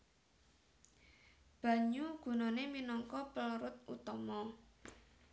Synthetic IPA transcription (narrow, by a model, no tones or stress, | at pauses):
b̥ä̤ɲuɡ̥ṳnoneminɔŋkɔpəlɾʊt̪̚ṵt̪ɔmɔ